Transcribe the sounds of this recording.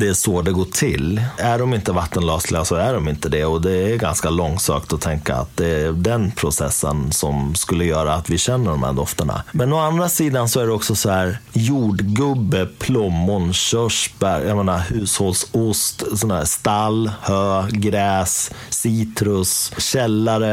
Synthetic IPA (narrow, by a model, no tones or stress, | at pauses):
d̪ɛæʂɔd̪ɛɡoːʈʰɪ̰læɖɔmɪnt̪əvat̪ːənlɑːslɪɡasɔæɖɔmɪnt̪əd̪ɛɔd̪ɛːɾɡa̰nskalɔŋsø̰ːkt̪ɔt̪ʰɛŋka̰a̰t̪̚d̪ɛd̪ɛnpʰɾʊsɛ̰sːə̰nsɔmskɵlːəjœːɾaːt̪vɪɕɛnːəɖɔmhæ̰d̪ɔft̪əɳa̰mɛnɔand̪ɾasiːd̪ansɔæɖɛɔksɔsɔhæːɾjuːɖɡɵbːəpʰlɔmːʊnɕœʂbæɾjameːnahʉ̟ːsholsʊst̪sɔnd̪hæ̰ːst̪alhøːɡɾɛːsːiːt̪ɾɵsɕɛlːaɾə